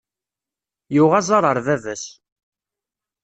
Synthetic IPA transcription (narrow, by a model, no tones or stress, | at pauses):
jʊʁæzˤɑɾˤəɾˤðævæs